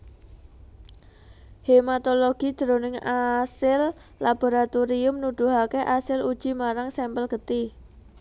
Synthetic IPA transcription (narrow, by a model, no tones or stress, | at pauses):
hemat̪oloɡ̥i̤d̪̥ɾo̤nɪŋasɪl | lab̥o̤ɾat̪uɾiʊmnud̪̥ṳɦakeʔasɪlud̥ʒ̥i̤maɾaŋsɛmpəlɡ̥ə̤t̪ɪ